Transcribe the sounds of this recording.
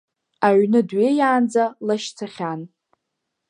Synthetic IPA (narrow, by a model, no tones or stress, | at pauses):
aɥnɨdɥejaːnd͡zalaʃt͡sʰaχʲan